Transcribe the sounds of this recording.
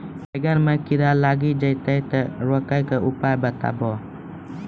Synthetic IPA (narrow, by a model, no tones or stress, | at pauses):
bəɡanməkiɾalaɡid͡ʒait̪ajt̪əɾuakajkəupajbət̪a̰bɔ